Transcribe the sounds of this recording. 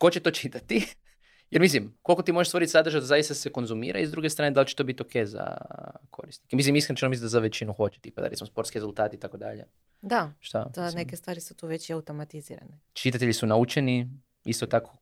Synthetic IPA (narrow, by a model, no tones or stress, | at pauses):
ko̞t͡ʃet̪o̞t͡ʃit̪at̪i | jeɾmis̬limko̞lkot̪imo̞ʒeʃst̪o̞ɾit̪sad̪ɾr̩ʒad̪azajist̪aseko̞nzumḭːɾʔa̰izd̪ɾuːɡest̪ɾaːned̪alt͡ʃe̥t̪o̞bit̪io̞kʰejza̰kʰo̞ɾisnikemis̬limiskɾent͡ʃenomis̬lid̪azaʋet͡ʃinuxo̞t͡ʃe̥t̪ipad̪aɾet̪simospo̞ɾt̪kiɾe̞zulˠt̪aːt̪it̪ako̞d̪a̰ʎḛ | d̪aʃt̪a̰d̪nekest̪ʋaːɾisut̪uːʋet͡ɕiaut̪omat̪izḭɾa̰net͡ʃit̪at̪eʎisunaut͡ʃeni | ist̪ot̪ako̞̥